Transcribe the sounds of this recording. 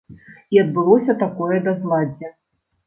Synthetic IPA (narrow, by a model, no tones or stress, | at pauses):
iɐd̪̚bɨlˠɔsʲɐt̪akɔjɛd̪ɐzlˠad͡zʲɛ